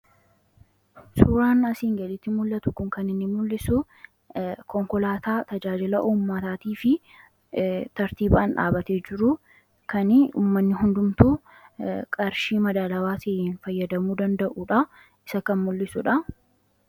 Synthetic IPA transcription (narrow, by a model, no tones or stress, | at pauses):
suːɾaːnɐsiːŋɡɐlɪt̪ːɪmʊlːɐt̪ʊkʊŋkɐnɪnːɪmʊlːɪsʊ | kɔŋkɔlaːt̪aːt̪ɐd͡ʒaːd͡ʒɪlɐʔuːmːɐt̪aːt̪iːfɪ | t̪ɐɾt̪iːbaːnᶑa̰ːbɐt̪eːd͡ʒɪɾʊ | kɐnɪṵːmːɐnːɪɦʊnd̪ʊmt̪uː | kʼɐɾʃiːmɐd̪aːlɐwaːsɪnfɐjːɐd̪ɐmuːd̪ɐnd̪ɐʔuːᶑɐ | ɪsɐkɐnmʊlːɪsʊᶑɐ